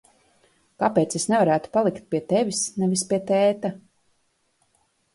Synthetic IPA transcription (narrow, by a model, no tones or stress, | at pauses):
kapeːt̪sesnɛvaɾæːt̪u̥palˠikt̪̚pʲiɛt̪ɛvʲisnɛvispiɛt̪ɛːt̪a